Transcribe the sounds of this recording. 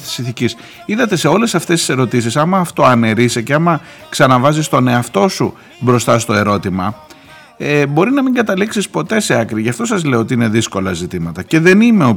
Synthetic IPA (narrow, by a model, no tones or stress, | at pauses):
t̪i̥sinθicis | iðɐt̪e̞se̞o̞le̞sɐft̪e̞st̪i̥se̞ɾo̞t̪is̬isɐmɐːft̪o̞ɐne̞ɾiseceɐmɐ | ksɐnɐvɐzist̪o̞ne̞ɐft̪o̞su | bɾo̞st̪ɐst̪o̞e̞ɾo̞t̪imɐ | ebo̞ɾinɐmiŋɡɐt̪ɐliksispo̞t̪e̞seɐkɾiʝɐft̪o̞sɐzle̞oo̞t̪iine̞ðisko̞lɐzit̪imɐt̪ɐce̞ðe̞nime̞o